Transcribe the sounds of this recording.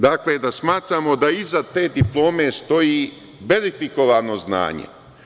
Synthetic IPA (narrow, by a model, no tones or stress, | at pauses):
d̪aːkled̪asmaːt̪ɾamo̞d̪aizat̪e̞ːd̪iplˠo̞ːme̞st̪o̞jiː | be̞ɾifiko̞ʋano̞zna̰ːɲḛ